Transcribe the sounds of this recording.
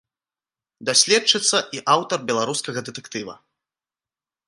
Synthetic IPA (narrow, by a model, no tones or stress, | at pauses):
d̪asʲlʲɛt͡ʂɨt̪sːɐʔiʔawt̪ɐrbʲɛlˠaɾuskɐɣɐd̪ɨt̪ɛkt̪ɨvɐ̰